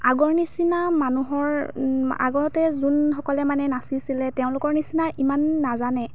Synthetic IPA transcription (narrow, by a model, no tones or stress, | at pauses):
aɡɔɹnisinamanuɦɔɹa̰ɡɔtɛzunxɔkɔlɛmanɛnasisilɛtɛʊ̃lʊkɔɹnisinaʔimanːazanɛ